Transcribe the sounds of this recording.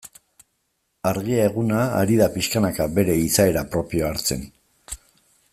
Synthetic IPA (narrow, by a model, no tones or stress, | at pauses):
aɾɣiae̞ɣuna̰ːɾiðapiʃkanakabe̞ɾe̞isae̞ɾapɾo̞pio̞aɾt͡se̞̰n